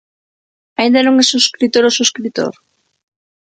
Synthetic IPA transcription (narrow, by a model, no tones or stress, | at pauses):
aind̪anõŋesuskɾit̪oɾosuskɾit̪o̰ɾ